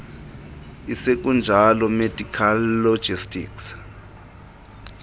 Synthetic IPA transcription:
isek̬ʼund͡ʒʱalɔmed̥ʱikʰalːo̥ʒ̥ʱistʼḭːks

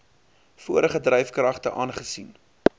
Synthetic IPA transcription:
fuəɾəχədrɛjfkrɐχtəʔɑːnχəsin

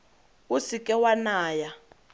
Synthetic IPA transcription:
usikʼɛwanaːja

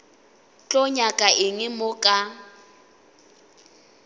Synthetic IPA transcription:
t͡ɬʼɔɲakʼaʔɪŋɪmʊkʼa

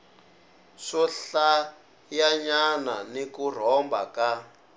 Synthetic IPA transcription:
ʂɔɬa | jaɲananikur̤ɔmba̰ka

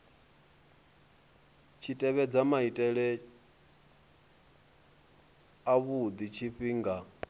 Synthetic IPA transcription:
t͡ʃʰitʼɛβɛd͡zamaitʼɛɺɛ | aβud̪it͡ʃʰiɸiːŋɡa

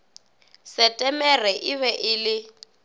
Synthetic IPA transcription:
sɛtʼɛmɛrɛʔɪβɛʔɪlɪ

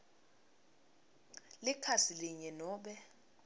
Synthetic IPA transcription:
lɪkʰasiliɲɛnɔːɓɛ

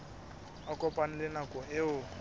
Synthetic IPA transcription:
akʼɔpʼan̩lɪnakʼɔeʊ

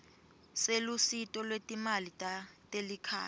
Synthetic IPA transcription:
selusitʼɔlwetʼimalitatelikʰa̰ː

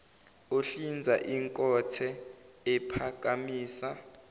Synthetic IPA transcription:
oɬind͡zʱaʔiŋkʼɔtʰɛ | ɛpʰak̬ʼamiːsa

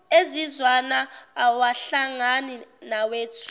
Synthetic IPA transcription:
ezizwanaːwaɬaŋaninaweːtʰ

